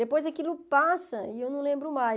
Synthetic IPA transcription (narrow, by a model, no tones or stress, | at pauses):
epojzɐkilʊpasɐiewnɐ̃w̃lẽmbɾʊma